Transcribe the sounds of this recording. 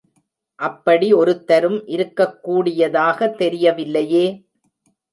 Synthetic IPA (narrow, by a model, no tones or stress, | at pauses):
ʔɐpːɐɽiɔɾɯt̪ːɐɾɯmʔɪɾɯkːɐkːuːɽɪjɐðaːɣɐt̪ːɛɾɪjɐʋɪlːɐjeː